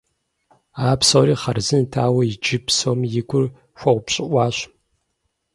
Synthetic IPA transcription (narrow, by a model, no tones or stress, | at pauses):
aːpsoːɾiːχɐrzɨntʰaːwɐid͡ʒɪpʰsoːmjɪɡʷʊr | xʷɐʁʷʊpɕʼɪʔʷɑːɕʷ